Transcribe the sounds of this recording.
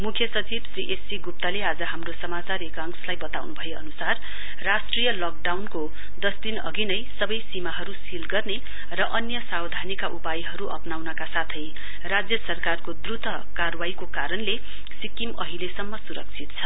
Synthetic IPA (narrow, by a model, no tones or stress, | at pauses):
mukʰjʌsʌt͡sibsriʔesiɡup̚t̪alead͡zʌɦamrosʌmat͡saɾekaŋslajbʌt̪awnubʱʌeʌ̰nusarː | asʈrijʌlɔk̚ɖawnko | d̪ʌsd̪inʌ̰ɡinʌjsʌbʌjsimaɦʌɾusilɡʌrne | rʌʔʌnjʌsawd̪ʱanikaʔupajɦʌɾuʔʌ̰pnawnʌkasat̪ʰʌj | rad͡zjʌsʌrkarkod̪rut̪ʰʌ | karwaikokaɾʌnle | sikimʌɦilesʌmːʌsuɾʌk̚t͡sʰit̪̚t͡sʰʌ